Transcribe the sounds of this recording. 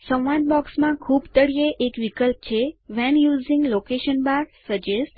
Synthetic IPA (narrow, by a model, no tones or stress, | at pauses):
sə̃wʋãnbɔksmãkʰubt̪əɽijeʔekʋikəlp̚t͡ʃʰeʋɛnjuzĩŋɡlokeʃənbaɾsəd͡ʒesʈ